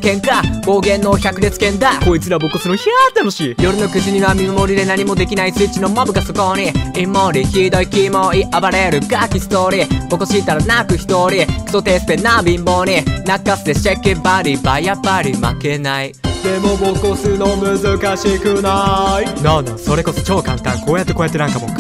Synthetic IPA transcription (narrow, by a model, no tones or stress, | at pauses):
kẽ̞ŋkabo̞ːɡẽ̞nːoçakɯ̟ɾʲet͡sɨ̥kẽ̞nd̪akoit͡sɨɾabokosɨnoçiat̪ːanoɕiːjo̞ɾɯ̟no̞kɯ̟ʑiɲ̟iβamʲimɯmoɾʲid̪e̞naɲ̟imod̪e̞kʲinaisɨit͡ɕino̞mabɯ̟kasokoniimːoɾʲiçʲiːd̪oikimoiʔabaɾajaɾɯ̟ɡakʲisɨ̥t̪oɾʲib̥okosɨit̪aɾanakɯ̟çi̥t̪oːɾʲikʰt̪ot̪eːsɨ̥t̪enabĩmːonʲinakːasɨ̥t̪eɕakːẽbaɾʲibaiapːaɾʲima̰ke̞naid̪emobokːosɨnomɯ̟zɨkaɕekɯnainãnd̪aso̞ɾe̞ko̞so̞t͡ɕo̞ːkãnt̪ã̰ŋko̞ːjat̪ːeko̞ːjat̪ːenãŋkamo̰